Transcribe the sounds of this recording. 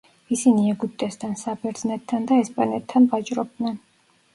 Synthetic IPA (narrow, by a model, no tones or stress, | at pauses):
isiniɛɡut̪ʼɛst̪ʰansabɛɾd̪znɛt̪ʰːand̪aɛspʼanɛt̪ʰːanvat͡ʃʼɾɔb̚d̪nɛn